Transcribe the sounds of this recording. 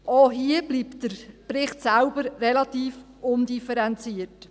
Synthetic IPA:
ʔoːɦiəbliːptd̥əɾpɾɪχtsælbəɾrɛlɑtiːf | ʔʊndifɛɾɛnt͡siət

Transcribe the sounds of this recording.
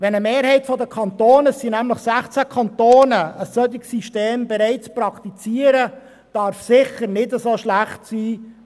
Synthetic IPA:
ʋɛnəmeːɾhɛɪtfɔdəkʰɑnt̪oːnəsinæmləχsæχt͡sækʰɑntoːnəəsːœd̪ɪksiʃteːmbɛɾɛɪt͡sprɑkt̪it͡siəɾə | d̥ɑɾfsɪχəɾnɪdəsoʃlæχtsiː

